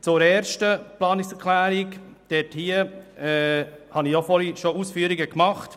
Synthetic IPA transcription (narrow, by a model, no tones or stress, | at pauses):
t͡sʊɾɛːɾʃtəplɑːnɪksɛɾkʰlæːɾikd̥ɛthiəɛhɑniofɔɾiʃousfyːəɾiɡəkmɑχt